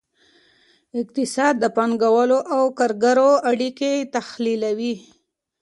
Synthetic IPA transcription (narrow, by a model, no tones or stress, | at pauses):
ɪq̚t̪ɪsɑd̪ːəpɑŋɡawəloʔawkaɾɡaɾoaɽiket̪axlilawi